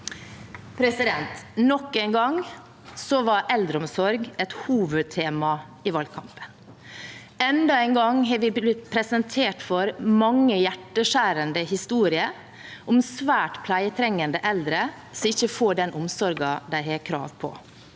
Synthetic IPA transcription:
pʰɾɛsɪd̪ɛnt̪nɔkːeɪnɡɑŋ | sɔʋɑɾʔɛld̪ɾəɔmsɔɾɡɛt̪huːʋəd̪̚t̪ʰeːmɑ | ɪʋɑːlɡ̚kʰɑmpə̥n | ɛnd̪ɑæɪŋɡɑŋɦɑɾʋɪb̪ɪt̪pʰɾɛsənt̪ʰeːʈfɔɾmɑŋːəjæʈːəʂæːɾənd̪əhɪst̪uːɾɪə | ʔɔmsʋæːʈpʰlæɪət̪ʰɾɛŋːənd̪əʔɛld̪ɾə | sɔɪçːəfoːɖɛnʔɔmsɔɾɡɑd̪æɪhɛkʰɾɑ̰ːʋpʰɔ̰

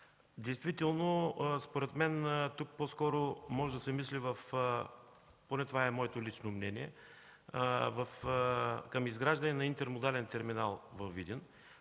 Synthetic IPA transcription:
d̪ɛjst̪vit̪ɛlˠnospoɾɛt̪mɛnt̪uk̚pɔskɔɾomɔʒɛd̪ɐsɛmislivɐf | ponɛt̪ovaɛmɔɛt̪olit͡ʃnomnɛniɛ | vɐf | kɐmizɡɾaʒd̪ɐnɛnɐint̪ɛɾmod̪alɛnt̪ɛɾminalˠvɐvːid̪ʲin

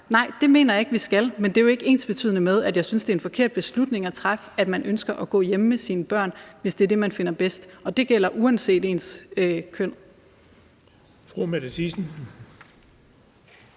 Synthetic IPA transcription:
nɑ̈ɪ̰d̥e̝me̝̰ːnɐjɑ̈e̝ɡ̥ʋisɡ̥ælmend̥e̝joe̝ɡ̥e̝̰ːnsb̥e̝t͡sʰy̰ð̰ˠənəmeð̞ˠæd̥jɑ̈ɪsynsd̥e̝enfɒ̽kʰe̝ɐ̰d̥̚b̥e̝slud̥ne̝ŋæt͡sʰʁafæd̥mænʔønsɡ̥ɐʔɒɡ̥ɔ̰̽ːjeməmesiːnəb̥ɶɐ̰nʋe̝sd̥e̝ɐd̥e̝mænfe̝n̰ɐb̥esd̥ɒ̽d̥e̝ɡ̥el̰ɐʔuɛnse̝̰ːd̥e̝̰ːnskʰøn̰ | fʁumædət͡sʰisn̩

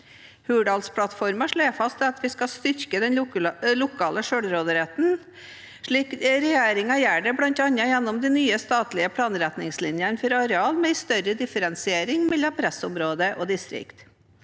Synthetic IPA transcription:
hʉːɖɑːlspʰɽɑt̪fɔɾməʂɭeːfɑst̪d̪ɛɑt̪ʋɪskɑst̪ʏɾkəd̪ɛnlʊkʰɑːləʂøːɽɾoːd̪əɾɛt̪n̩ | ʂɭiːkɾɛjeːɾɪŋɑjæːɖɛbɽɑnt̪ɑnɑjɛnːɔmd̪inyːəst̪ɑːt̪lɪəpʰɽɑːnɾæt̪nɪŋslɪnjənfɔɾɑɾɛɑːlmɛɪst̪œɾəd̪ɪfəɾɛnsɪeːɾɪŋmɛlːɑmpʰɾæsɔmɾoːd̪əʔoːd̪ɪst̪ɾɪ̰kt̪

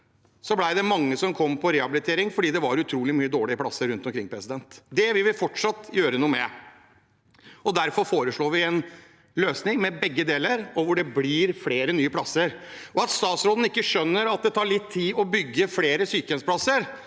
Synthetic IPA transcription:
sɔblæɪd̪ɛmɑŋːəsɔmkʰɔmːpʰɔɾeːhɑbɪlɪt̪ʰeːɾɪŋfɔɖiːd̪ɛʋɑɾʉt̪ʰɾuːlɪmyːəd̪oːɭɪəplɑsːəɾʉnt̪ɔmkʰɾɪŋpʰɾɛsɪd̪ɛnt̪d̪ɛʋɪʋɪlfɔʈʂɑt̪ːjøːɾənuːmɛ | ɔd̪æɾfɔɾfoːɾəʂɭoːʋɪɛn | løːsnɪŋmɛbɛɡːəd̪eːləɾɔʋʊɖɛblɪɾfleːɾənyːəpʰlɑsːəɾɔɑt̪st̪ɑːt̪sɾoːd̪n̩ɪkːəʂœnːəɾɑt̪̚d̪ɛt̪ʰɑːɭɪt̪ʰːiːɔbʏɡːəfleːɾəsyːkəɛnspʰlɑsːəɾ

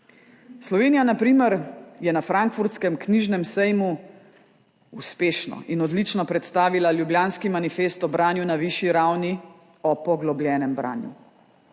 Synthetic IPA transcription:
slɔʋeːnijanapɾiːməɾjɛnafɾaŋkfuɾt̪skɛmkniʒnɛmsɛjmu | uspeːʃnɔ̰ʔinɔd̪lit͡ʃnɔpɾɛt̪st̪aːʋilaljubljaːnskimanifeːst̪ɔbɾaːnjunaʋiʃjiɾawni | ɔpɔɡlɔblʲjɛːnɛmbɾa̰ːnjṵ

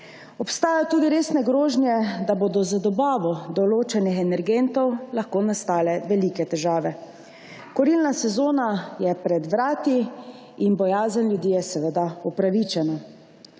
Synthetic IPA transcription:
ɔpst̪aːjajɔt̪uːd̪iɾeːsnɛɡɾoːʒnjɛd̪aboːd̪ɔzad̪ɔbaːʋɔd̪ɔloːt͡ʃɛnixɛnɛɾɡent̪ɔwlaxkoːnast̪aːlɛʋɛliːkɛt̪ɛʒaːʋɛ | kɔɾilnasɛzoːnajɛpɾɛd̪ʋɾaːt̪i | inbɔjaːzənljud̪jiːjɛsɛʋɛd̪aupɾaʋit͡ʃɛna

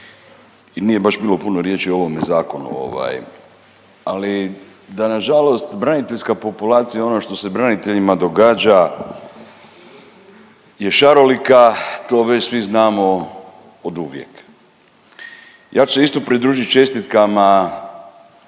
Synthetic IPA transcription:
inije̞baʃbilo̞punoɾje̞t͡ʃio̞ʋo̞me̞zaːko̞nṵo̞̰ʋa̰j | ali | d̪anaʒalo̞st̪bɾanit̪e̞ʎskapo̞pulaːt̪sijao̞noʃt̪o̞se̞bɾanit̪e̞ʎimad̪o̞ɡaːd͡ʒa | je̞ʃaɾo̞likat̪o̞ːʋet͡ɕsʋiznaːmo̞ | od̪uʋje̞̰k | jʔaːt͡ʃuseist̪o̞pɾid̪ɾuːʒit͡ʃe̞st̪it̪kama

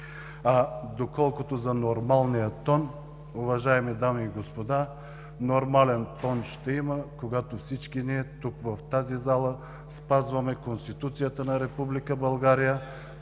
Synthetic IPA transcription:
ad̪okɔlˠkʊt̪ozɐnoɾmalˠnijət̪ɔn | uvɐʒaɛmid̪amiːɡospod̪a | noɾmalɛnt̪ɔnʃt̪ɛiməkoɡat̪ofsit͡ʃkiniɛt̪ukvɐft̪azizalˠə | spazvɐmɛkonst̪it̪ut̪sijət̪ənɐɾɛpublikəbɐlˠɡaɾijə

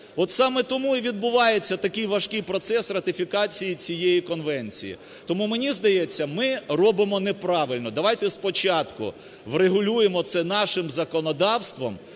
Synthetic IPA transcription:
ɔt̪sɑmɛt̪ɔmuiʋʲid̪̚bʊʋɑjet͡sʲːɐt̪ɐkɪjʋɐʃkɪjpɾɔt̪sɛsrɐt̪ʲɪfʲikɑt͡sʲijit͡sʲijejikɔnʋɛnʲt͡sʲḭjḭ | t̪ɔmumenʲizd̪ɐjɛt͡sʲːɐmɪrɔbɪmɔnɛpɾɑʋɪlʲnɔd̪ɐʋɑjt̪ɛspɔt͡ʃɑt̪kʊ̰ | ʋreɦʊlʲujemɔt̪sɛnɑʃɪmzɐkɔnɔd̪ɑwst̪ʋɔ̰m

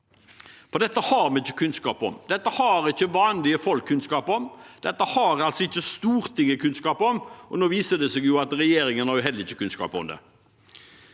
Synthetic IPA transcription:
pɔd̪ɛt̪ːəhɑːɾmɛɪçːə̥kʰʉnskɑːpɔ̰md̪ɛt̪ːəhɑɾɪçːəʋɑːnlɪəfɔlkʰːʉnskɑːpɔmd̪̥ɛt̪ːəhɑɾɑlsɔɪçːəst̪uːɾt̪ʰɪŋːəkʰʉnskɑːpɔmʔɔnoːʋiːsəd̪ɛseːɡjʊɑt̪ɾɛjeːɾɪŋənhɑɾjʊɦɛləɪçːəkʰʉnskɑ̰ːpɔ̰md̪ɛ̰

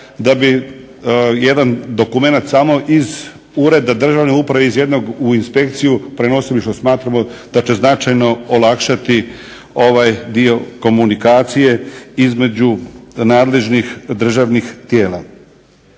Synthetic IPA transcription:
d̪abi | je̞d̪and̪o̞kume̞nat̪saːmo̞ʔiz | uɾe̞d̪ad̪r̩ʒaʋneupɾaʋeizje̞d̪noɡuinspe̞kt̪sijupɾe̞no̞siliʃt̪o̞smaːt̪ɾamod̪̥at͡ɕe̞znat͡ʃajno̞olakʃat̪i | o̞ʋajd̪io̞ko̞munikaːt̪sije̞izme̞d͡ʑunaːd̪le̞ʒnixd̪r̩ʒaʋnixt̪jeːla̰

